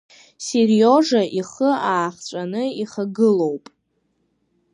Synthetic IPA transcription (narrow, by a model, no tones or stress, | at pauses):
serjoʐaʔiχəaːχt͡ɕʷʼanɨiχaɡɨlo̞wpʼ